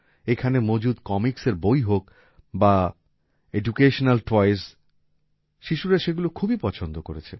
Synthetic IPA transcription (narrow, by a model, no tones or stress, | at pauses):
ekʰanemod͡ʑud̪kɔmikseɾbojɦok | ba | ed͡ʑukeʃonalʈɔjs | ʃiʃuɾaʃeɡulokʰubipɔt͡ɕʰond̪okoɾet͡ɕʰe